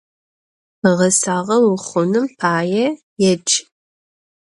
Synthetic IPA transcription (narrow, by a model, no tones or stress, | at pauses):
ʁɐsaːʁɐwʊχʷʊnɨmpʰaːjɛ | jɛd͡ʒʰʼ